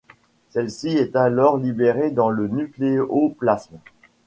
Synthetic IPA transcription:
sɛlsiɛt̪alɔʁlibeʁed̪ɑ̃lənykleoplasmɑ̃

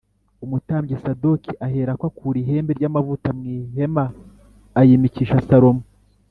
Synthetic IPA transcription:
umutaːmɟesado̞kiʔaɦe̞ːɾakwakʰuːɾiɦe̞ːmbe̞ɾɟamavutamŋiːɦe̞maː | jimiciːʃasaɾo̞mu

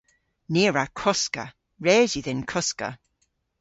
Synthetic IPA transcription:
niːɹakʰɔska̰ | ɹɛːziðɪnkʰɔskə̰

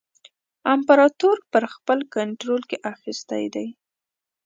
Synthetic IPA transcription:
ampaɾɑt̪oɾpəɾxpəlkaɳʈɾolkeʔaxist̪a̰jd̪aj

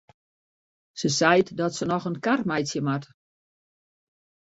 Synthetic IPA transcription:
səsɛjtdɔtsənɔxənkarmɛjtsjəmat

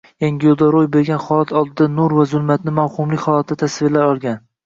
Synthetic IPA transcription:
jaŋʲɪjolˠd̪aɾojbe̞ɾɡʲanχɒlˠat̪ʰɒlˠd̪ɪd̪anʊɾvazʊlˠmat̪nɪmawhʊmlɪkʲχɒlˠat̪̚ʰːat̪ʰasvɪlaɾɒlˠɡʲan

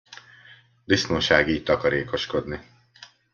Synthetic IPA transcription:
d̪isnoːʃaːɡiːc̚t̪ɒkɒɾeːko̞ʃko̞d̪ni

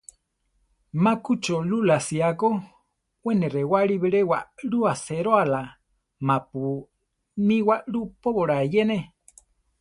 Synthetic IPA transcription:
makut͡ʃolulasiako | weneɾewaɺiβeɾewaɺuaseɾoala | mapu | miwaɺupoβoɾaejene

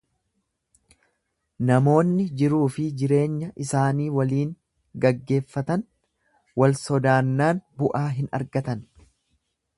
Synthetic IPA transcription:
nɐmo̞ːnːɪd͡ʒɪɾuːfɪd͡ʒɪɾe̞ːɲːɐʔɪsaːniːwɐliːŋ | ɡɐɡːe̞ːfːɐt̪ɐn | wɐlsɔd̪aːnːaːnbʊʔaːɦɪnɐ̰ɾɡɐt̪ɐn

